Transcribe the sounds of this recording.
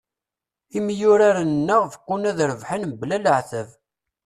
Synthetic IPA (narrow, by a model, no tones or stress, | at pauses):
imjʊɾaɾannːəʁfkʷːunæðɾəvħənmblæləʕθəv